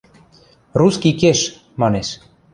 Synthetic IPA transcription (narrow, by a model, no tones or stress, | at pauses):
ruskikeʃ | mɑneʃ